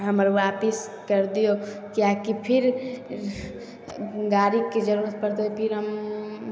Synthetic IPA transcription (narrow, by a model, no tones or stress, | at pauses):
ɦəmɾʋaːpis | kəɾd̪ijo | kjakipʰɪɾ | ɡaːɾikːed͡ʒəɾuːɾət̪̚pəɾt̪eepʰɪɾɦəm